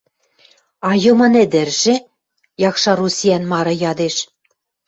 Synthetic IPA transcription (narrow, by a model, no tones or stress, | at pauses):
ɑjɤ̆mɤ̆nĕd̪ɘ̆rʒɘ̆ | jɑkʃɑrusʲijænmɑɾɤ̆jɑd̪eʃ